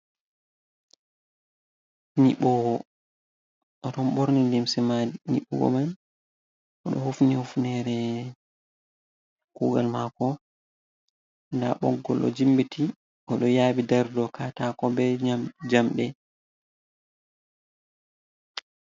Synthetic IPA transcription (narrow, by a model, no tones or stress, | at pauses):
niɓɔwɔ | ʔɔtɔnɓoɾnindimsɛmanḭɓːṵɡɔ̰man | ɔɗɔ̰hufnihufnɛɾɛ | kuːɡalmakɔ | ndaɓɔ̰ɡːɔlʔɔ̰d͡ʒimbiti | ʔɔɗɔjaːbidaɾdɔkatakɔbɛd͡ʒamɗɛ